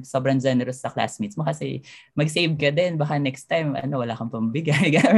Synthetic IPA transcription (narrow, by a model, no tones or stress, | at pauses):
sobɾɐnd͡ʒɛnɛɾosɐkla̰smit̪smokɐsɛmɐɡsejvkɐd̪ɛnbɐkanɛkst̪ːajmʔɐ̰no̞wɐlaːkɐmpɐmbɪɡajɡa